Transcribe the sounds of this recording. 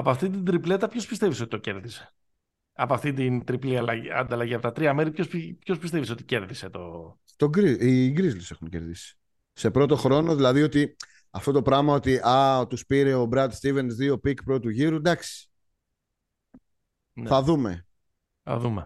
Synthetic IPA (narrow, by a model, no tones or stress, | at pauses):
ɐpoɐft̪it̪ind̪ɾiple̞t̪ɐpço̞spist̪evisoit̪o̞ce̞ɾðise̥ | ɐpoɐft̪int̪int̪ɾipliɐlɐɐ̰nd̪ɐlɐʝiɐpt̪ɐt̪ɾiɐme̞ɾipçospipço̞spist̪e̞viso̞t̪i̥ce̞ɾðiset̪o | t̪o̞ɡɾiziɡɾizlise̞xunce̞ɾðisi̥ | se̞pɾo̞t̪o̞xɾo̞no̞ðilɐðio̞t̪i | ɐft̪o̞t̪opɾɐmɐo̞t̪iʔɐt̪uspiɾe̞o̞bɾɐt̪st̪ive̞nsðio̞pikpɾot̪uʝiɾud̪ɐksi̥ | nθɐðume̞̰ | θɐ̰ðume